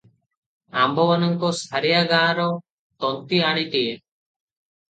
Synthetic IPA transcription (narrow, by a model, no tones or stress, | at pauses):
ambɔmanɔŋkɔsaɾijaɡãːɾɔ | t̪ɔnt̪iaɽ̃it̪ie